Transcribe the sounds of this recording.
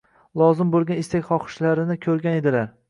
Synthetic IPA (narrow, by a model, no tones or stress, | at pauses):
lˠɒzɪmbolˠɡʲanɪst̪akʲχɒqʰɨ̥ʃlaɾɪnɪkʲʰɵɾɡʲane̞d̪ɪlaɾ